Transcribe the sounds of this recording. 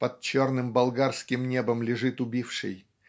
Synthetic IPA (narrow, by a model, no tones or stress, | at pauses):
pɐt̪̚t͡ɕo̞rnɨmbɐlˠɡarskʲɪmnʲebəmlʲɪʐɨt̪ʊbʲifʂɨ̰j